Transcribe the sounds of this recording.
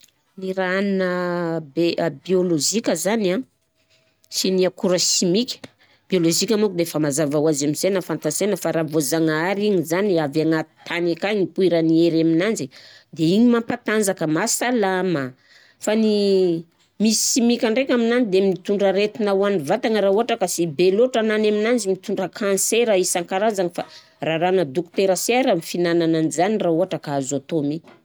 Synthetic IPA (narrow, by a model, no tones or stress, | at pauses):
niɾaannəbeʔbioloʒikʲəzana | siniakuɾaʃimikʲə̥ | b̥ioloʒikʲamukud̪efamazavawazamizenəfant̪asenəfaɾavozaŋaɾiɲizaniavaŋat̪i̥t̪ʰanikaŋipuiɾanieɾaminand͡ʒid̪eiɲimampat̪and͡zakəmasalama | fani | misimikʲaɳɖ͡ʐekʲaminanid̪emit̪uɳɖ͡ʐəɾet̪inawanivat̪aŋəɾauaʈ͡ʂakasibeloʈ͡ʂananaminand͡zimit̪uɳɖ͡ʐəkʰanseɾaisaŋkaɾazaŋifa | raɾanəd̪ukt̪eɾəseɾəmifinanananizanirauaʈ͡ʂakaazot̪omi